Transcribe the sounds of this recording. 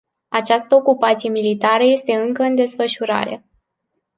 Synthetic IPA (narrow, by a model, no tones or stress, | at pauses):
at͡ʃast̪əokupat̪sije̞milit̪aɾəje̞st̪e̞ɨŋkəɨnd̪e̞sfəʃuɾa̰ɾe̞̰